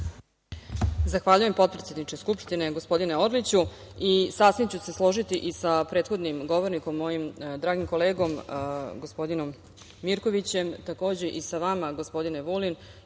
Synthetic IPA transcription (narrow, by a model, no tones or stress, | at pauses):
zaxʋaːʎujempo̞t̪pɾet̪ʲe̞d̪nit͡ʃeskupʂt̪ine̞ɡo̞spo̞d̪ineo̞ɾlit͡ɕu | isaːsʋimt͡ɕuse̞slˠo̞ʒit̪iʔisapɾet̪xo̞d̪nimɡo̞ʋo̞ɾniko̞mːo̞jimd̪ɾaːɡimko̞le̞ːɡo̞mɡospo̞d̪ino̞mː | iɾko̞ʋit͡ɕe̞mt̪ako̞ːd͡ʑe̞ʔisaʋamaɡospo̞d̪ineʋulin